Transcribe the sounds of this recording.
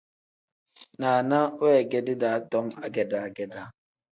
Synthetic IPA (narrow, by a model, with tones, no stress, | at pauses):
na˨a˨na˦we˦˨ɡe˦dɪ˦da˨a˦tɔ˦ŋ˦a˦ɡɛ˨da˨a˨ɡɛ˨da˦